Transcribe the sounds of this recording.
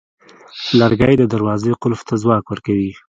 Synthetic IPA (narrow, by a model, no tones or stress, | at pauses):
laɾɡajd̪əd̪aɾwɑzeqʊlft̪azwɑkwəɾkawi